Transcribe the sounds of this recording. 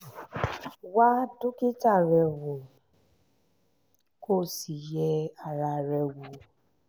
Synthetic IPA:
wa˦dʊ˦kɪ˦ta˦˨ɾɛ˨wo˨ | ko˦˨si˨jɛ˧a˨ɾa˨ɾɛ˨wo˨

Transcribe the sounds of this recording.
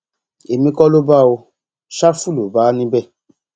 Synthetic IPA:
e˨mĩ˧kɔ˦lo˦ba˦wo˧ | ʃa˦fu˦˨lo˨baː˨˦nĩ˦bɛ˦˨

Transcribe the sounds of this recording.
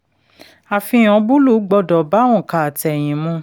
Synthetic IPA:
a˨fĩ˧˦˨ɔ̃˨˧bu˦lu˦˨˦ɡ͡bɔ˧dɔ˨ba˨˦wɔ̃˦˨ka˨tɛ˨j̃ĩ˨mũ˧˦

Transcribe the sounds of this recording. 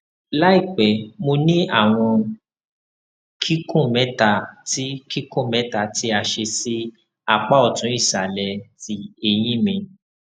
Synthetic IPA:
la˦i˦˨k͡pɛ˨mo˧nĩ˦a˦˨w̃ɔ̃˧ | kʰi˦kʰũ˦˨mɛ˨˦ta˦˨ti˦ki˦kũ˦˨mɛ̃˨˦ta˦˨ti˦a˧ʃe˧si˦ | a˧k͡pa˦ɔ˦˨tũ˨˦i˦˨ʃa˨lɛ˧ti˧˦e˧j̃ĩ˦mĩ˧

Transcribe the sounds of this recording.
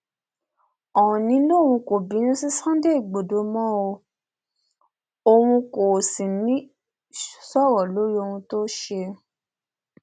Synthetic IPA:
ɔ˨wɔ̃˨nĩ˨˦lo˦˨wũ˧ko˨bi˨˦nĩ˦si˦sã˦de˦i˦˨ɡ͡bo˨do˨˦mɔ̃˦o˧ | o˧wũ˧ko˨si˨nĩ˦ | sɔ˦˨wɔ˨lo˨˦ɾi˦o˧wũ˧to˦ʃe˧

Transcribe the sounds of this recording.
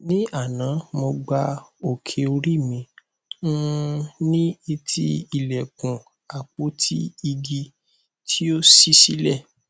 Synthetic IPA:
nĩ˦ʔa˦˨nã˨˦mõ˧ɡ͡ba˧o˨kʰe˨o˧ɾi˦˨mĩ˧˦ | nĩ˦i˧tʰi˦i˦˨lɛ˨kũ˨ | a˨k͡po˨˦tʰi˦i˧ɡi˧ | tʰi˦o˦si˦si˦lɛ˦˨

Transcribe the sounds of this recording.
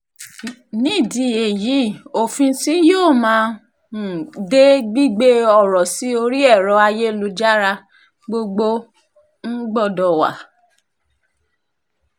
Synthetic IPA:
nĩ˦˨di˨˧˨e˨ji˨˦o˨fĩ˧si˦joː˦˨mãː˦˨ | de˦ɡ͡bi˦ɡ͡be˦ɔ˦˨ɾɔ˨si˨˦o˧ɾi˦ɛ˦˨ɾɔ˧˦a˧je˦lu˧d͡ʒa˦ɾa˧ | ɡ͡bo˧ɡ͡bo˦ | ŋ̩˦ɡ͡bɔ˦˨dɔ˨wa̰˨

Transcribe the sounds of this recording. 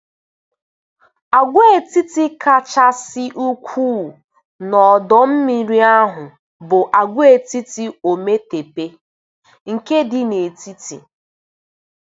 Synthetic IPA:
a˨ɡʷe˦e˨ti˦ti˦ka˦t͡ʃa˦sɪ˦ʔu˦kʷʰu˦˨ | nɔ˨dɔ˦m̩˦mi˨ɾi˦a˦ɦʊ˨ | bʊ˨ʔa˨ɡʷe˨ti˦ti˨o˨me˦te˨pe˦ | ŋ̩˨ke˦dɪ˨ne˨ti˦ti˨

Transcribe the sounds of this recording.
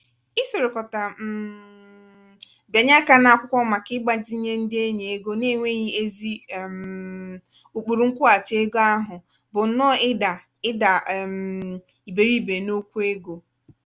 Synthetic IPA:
ɪ˦so˨ɾo˨kɔ˨ta˨m̩˦˨ | ba˨ɲa˦ka˦na˨a˦kʷʊ˦kʷɔ˦ma˨kɪ˦ɡ͡ba˦d͡ʒi˦ɲe˦n̩˦dɪ˦e˦ɲe˨e˦ɡo˦ne˦˨ŋʷe˦ɲi˦e˦zi˦˨m | u˨k͡pu˨ɾu˨˦ŋ̩˦kʷʊ˦a˨te˦ɡo˦a˦ɦʊ˨ | bʊ˨n̩˨˦nɔ˦ɪ˦da˨ | ɪ˦da˨m | i˨be˨ɾi˦˨be˨no˦kʷu˦e˦ɡo˨

